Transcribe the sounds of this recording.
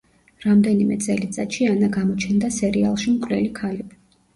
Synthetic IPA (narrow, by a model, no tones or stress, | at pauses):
ɾamd̪ɛnimɛ̰t̪sʼɛlit̪sʼat̪ʃianaɡamɔt͡ʃʰɛnd̪asɛɾia̰lˠʃimkʼlɛlikʰalibi